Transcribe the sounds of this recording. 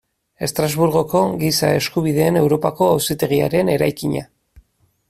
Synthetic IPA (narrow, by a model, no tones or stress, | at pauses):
e̞st̪ɾazβuɾɣo̞ko̞ɣisae̞skuβ̞iðe̞ːne̞wɾo̞pako̞awsit̪eɣ̞ia̰ɾe̞ne̞ɾajkiɲa̰